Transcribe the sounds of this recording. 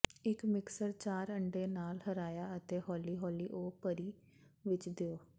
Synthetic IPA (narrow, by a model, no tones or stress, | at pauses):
ɪkmɪksəɾt͡ʃaːɾəɳɖeːnaːlhəɾaːjaːət̪eːhɔːliːɦɔːliːʔoːpəɾiː | ʋɪt͡ʃd̪eoː